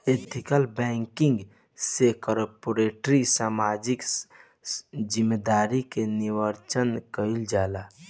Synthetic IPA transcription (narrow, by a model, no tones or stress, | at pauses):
et̪ʰikəlbɛ̃ŋkɪ̃ŋɡ | sekɔɾpoɾeʈɾisaːmad͡ʒɪk | d͡ʒɪmːed̪aːɾikeniʋəɾt͡ʃənkəɪld͡ʒaːla